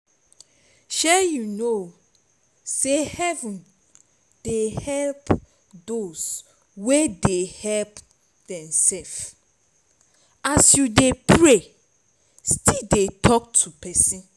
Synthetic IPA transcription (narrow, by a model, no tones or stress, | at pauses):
ʃɛjuno | sehɛvũn | d̥ehɛlp | dos | wedehɛlp | d̥ɛ̃msɛf | asjudepʰɹe | stidetʰɔk̚tʰupɛsĩn